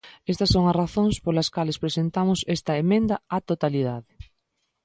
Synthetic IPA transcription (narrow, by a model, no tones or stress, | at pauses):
est̪ɐsːoŋɐsraθõŋspolɐskalespɾesent̪amʊsɛst̪ɐemẽnd̪ɐat̪ot̪aliðaðɪ